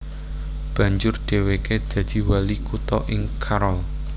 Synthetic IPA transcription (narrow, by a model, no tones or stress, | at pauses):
b̥ä̤ɲd͡ʒʊrɖ̪̥e̤weked̪̥ä̤d̪̥i̤walikut̪ɔʔɪŋkʰaɾɔl